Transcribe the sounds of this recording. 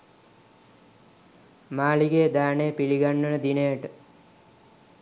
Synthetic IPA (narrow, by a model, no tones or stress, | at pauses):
maːliɡeːd̪æːnejpiliɡanːənəd̪inejəʈə